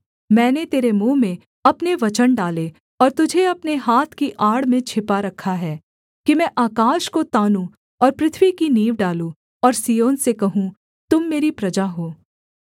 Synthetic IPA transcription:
mɛ̃ːnet̪eːɾemũːmẽ | ɐpneʋɐt͡ʃənɖaːle | ɔːɾt̪ʊd͡ʒʱeɐpneɦaːt̪ʰkiʔaːɽmẽt͡ʃʰɪpaɾɐkʰaɦɛː | kimɛ̃ʔaːkaːʃkot̪aːnũ | ɔːɾpɾɪt̪ʰʋikiniːʋɖaːlũ | ɔːɾsijoːnsekɐɦũ | t̪ʊmːeːɾipɾɐd͡ʒaɦoː

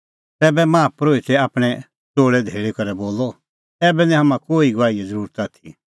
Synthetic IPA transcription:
t̪ɛːbɛmaːpɾoːit̪ɛaːpɽ̃ɛ | t͡soːɽɛd̪ʱeːɭekɔɾɛboːlɔ | ɛːbɛnĩɦamãkoːiɡaːiɛd͡zəɾuːɾət̪at̪ʰi

